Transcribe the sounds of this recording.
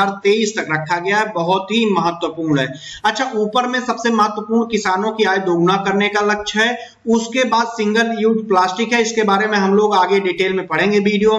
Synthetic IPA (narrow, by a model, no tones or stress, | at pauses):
aːɾt̪eːiːst̪ɐkɾɐkʰːaɡɐjaɦɛbɐɦʊt̪ɦimɐɦət̪wəpuːɾɳɦɛ̰ː | ɐtːʃʰaʔuːpəɾmẽsɐbsemɐɦət̪wəpuːɾɳkɪsaːnõkiaːid̪oːɡnakɐɾnekalɐkʃɦɛ | ʊskebaːd̪sɪ̃ŋɡəɾjuːʈplaːsʈɪkɦɛɪskebaːɾemẽɦɐmloːɡaːɡeɖiːʈeːlmẽpɐɽ̤ẽːŋɡebiːɖijo